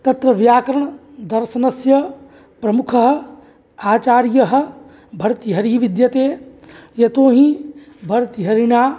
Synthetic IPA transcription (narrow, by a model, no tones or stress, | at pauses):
t̪ɐt̪ɾɐʋjaːkɾəɳ̃ | d̪ɐɾsɐnɐsjɐ | pɾɐmukʰəɦ̆ | aːt͡ʃaːɾjɐɦ̆ | bʱɐɾt̪iɦɐɾiʋid̪jɐt̪eːjɐt̪oːɦĩ | bʱɐɾt̪iɦɐɾinaː